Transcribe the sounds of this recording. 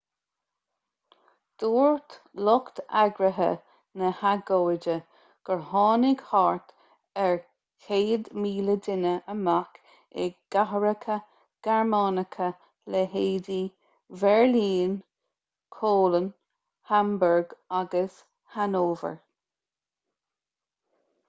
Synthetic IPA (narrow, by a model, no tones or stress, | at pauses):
d̪̥oːɹt̪ | lɔkt̪a̰ɡɾəɦə̰ | nəhaɡoːɪdə | ɡ̥əɹhɑːnɪɡhɑɹt̪ | ɛɹ | kʰeːd̪miːlədɪnəʔəmak | ɪ̰ɡ̥aɦəɹəkʰə | ɡ̥ɛɹmɑːnəkʰə | lɛɦeːd̪i | vɛɹliːn | kʰoːlən | hambəɹɡaɡəs | hanoːvə̰ɹ